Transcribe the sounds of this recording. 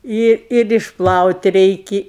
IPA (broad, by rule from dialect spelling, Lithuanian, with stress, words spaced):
ˈɪ ɪr ɪʃˈplˠɐʊtʲ ˈrʲɛɪkʲɪ